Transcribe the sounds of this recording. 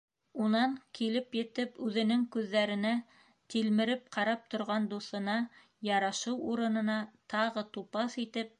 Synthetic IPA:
unɑŋkilɘpjɘ̆t̪ɘpʉðɘ̆nɘŋkʉðːæɾɘ̆næ | t̪ilmɘ̆ɾɘp̚qɑɾɑp̚t̪ŏɾʁɑnd̪uθɤ̆nɑ | jɑɾɑʃɤwuɾɤ̆nɤ̆nɑt̪ɑʁɤt̪upɑsit̪ɘp̚

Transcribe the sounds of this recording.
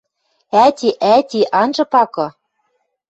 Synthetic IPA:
æt̪ʲiʔæt̪ʲiʔɑnʒɤ̆pɑkɤ̆

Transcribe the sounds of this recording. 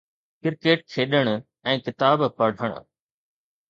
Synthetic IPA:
kɪɾkeːʈkʰeːɗəɽ̃ | ɛ̃ːkɪt̪aːbpɐɽ̤ʱəɽ̃ʊ̰

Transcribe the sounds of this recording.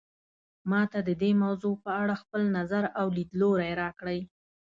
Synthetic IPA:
mɑt̪ad̪əd̪emawzopəaɽaxpəlnazaɾawlid̪loɾajɾɑkɽəj

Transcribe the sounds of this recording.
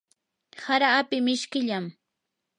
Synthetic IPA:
haɾaːpɪmɪʃkɪʎam

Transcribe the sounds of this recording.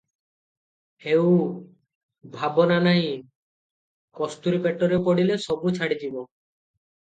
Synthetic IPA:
hew | bʱabɔnanaĩ | kɔst̪uɾipeʈɔɾepɔɽilesɔbut͡ʃʰaɽid͡ʒibɔ

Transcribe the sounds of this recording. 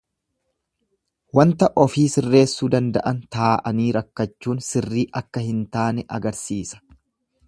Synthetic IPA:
wɐnt̪ɐʔɔfiːsɪrːe̞ːsːuːd̪ɐnd̪ɐ̰ʔɐnt̪aːʔɐniːɾɐkːɐt͡ʃːuːnsɪrːiːʔɐkːɐhɪnt̪aːnɛʔɐɡɐɾsiːsɐ̥

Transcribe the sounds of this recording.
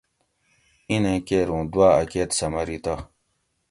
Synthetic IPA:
inẽkeɾũːd̪waːɐkeːt̪sɐmɐɾit̪a

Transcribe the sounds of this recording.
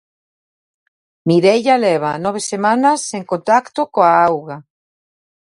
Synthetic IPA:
miɾeʎaleβ̞anɔβ̞esemãnaseŋkont̪akt̪okoaawɣa

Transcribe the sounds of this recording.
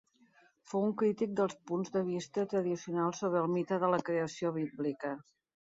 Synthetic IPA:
fouŋkɾit̪ik̚d̪əlˠspunzðəβ̞ist̪ət̪ɾəðisiunalˠsoβɾəːlˠmit̪əðələkɾeəsioβ̞iblikə

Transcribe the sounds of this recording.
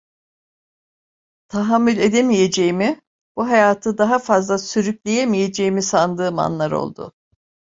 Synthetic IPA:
t̪ʰaɦamːylʲe̞d̪emije̞d͡ʒe̞jimi | b̥uɦajaːt̪ʰɯd̪aɦafazlˠasyɾyklʲejemije̞d͡ʒe̞jimisand̪ɯːma̰nlˠaɾo̞̰lˠd̪ʊ̰

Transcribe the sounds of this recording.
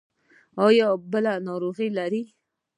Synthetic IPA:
ɑjɔbəlanɑɾoɣilaɾi

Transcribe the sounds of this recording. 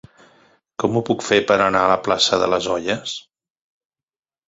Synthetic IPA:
kɔmupukfepəɾənaələplasəðə̰ləzɔʎəs

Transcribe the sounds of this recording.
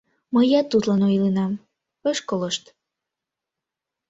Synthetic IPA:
məjɑt̪ːut̪lɑnojlinɑm | əʃkoləʃt̪

